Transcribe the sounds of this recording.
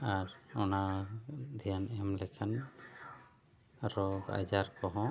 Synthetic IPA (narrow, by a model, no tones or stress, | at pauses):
aɾɔnad̪ʱɛjanɛmlɛkʰan | ɾɔɡa̰d͡ʒaɾkɔɦɔ̃